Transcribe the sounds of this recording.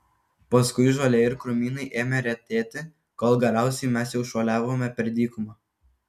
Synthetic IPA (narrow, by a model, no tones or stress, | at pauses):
pɐskʊɪʒoːlʲeɪɾkɾʊmʲiːnɐɪʔeːmʲɛɾʲɛt̪ʲeːt̪ʲɪ | koːlˠɡʲɛɾʲæˑʊsʲɛɪmʲɛs̬jɛʊʃoːlʲæːʋoːmʲɛpʲɛɾʲd̪ʲiːkʊmɐ